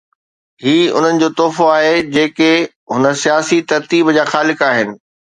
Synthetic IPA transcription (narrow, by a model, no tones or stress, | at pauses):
hiːʊ̰n̤ənɪ̆d͡ʑoːt̪ɔːfoaːɦed͡ʑeːke | ɦʊnə̆sijaːsit̪ɐɾt̪iːbd͡ʑaːxaːlɪkaːɦɪnɪ̆